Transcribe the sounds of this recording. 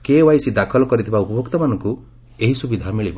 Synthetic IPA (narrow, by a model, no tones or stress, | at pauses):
kewajsid̪akʰɔlɔkɔɾit̪ʰibaupɔbɔkt̪ɔmanɔŋku | eɦisubid̪ʱamiɭib